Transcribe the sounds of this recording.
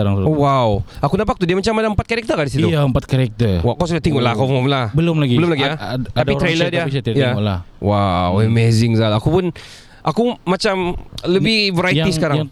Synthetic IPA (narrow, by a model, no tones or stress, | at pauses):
aɾaŋwawakunap̬ak̚t̪udiamat͡ʃamadaəmpat̪̚kaɾɛk̚t̪ərkandisitiujaəmpat̪̚kaɾɛk̚t̪ərwawkaws̬udat̪iŋolahkawamlabəlʊmlaɡibəlʊmlaɡiaaadait̪ɾlədiapist̪ij̪aola̰hwawəmezɪŋzalakupʊn | ʔakumat͡ʃamləbɪhvəɾajaisəkaɾaŋa